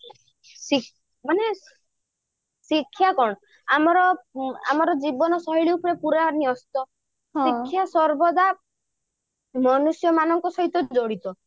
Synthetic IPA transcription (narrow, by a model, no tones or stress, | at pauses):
si | mane | sikʰːjakɔɽɔ | amɔɾɔa̰mɔɾɔd͡ʒibɔnɔsɔɦiɭiupɔɾepuɾaniɔst̪ɔ | sikʰːjasɔɾbɔd̪a | mɔnusjɔmanɔŋkɔsɔɦit̪ɔd͡ʒoɽit̪ɔ